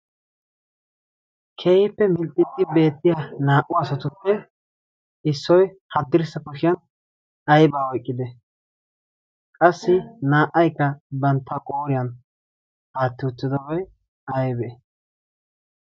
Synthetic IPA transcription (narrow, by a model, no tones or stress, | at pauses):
kʰeːhɪpːɛmɪlt̪ʼːɪd̪ɪbe̞ːt̪ːɪjanaːʔʊɐsɐt̪ʊpːɛ | ɪsːɔj | hɐd̪ːɪɾsɐkɔʃɪjɐn | ɐjbaːɔjkʼːɪd̪ɛ | kʼɐsːɪnaːʔːɐjkːɐbɐnt̪ːɐkʼo̞ːɾɪjɐn | haːt̪ːɪʊt̪ːɪd̪ɔbɐj | ɐjbɛ